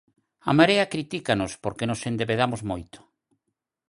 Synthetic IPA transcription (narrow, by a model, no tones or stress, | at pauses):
a̰maɾeakɾit̪ikanospoɾkenosend̪eβeð̞amozmojt̪ʊ̥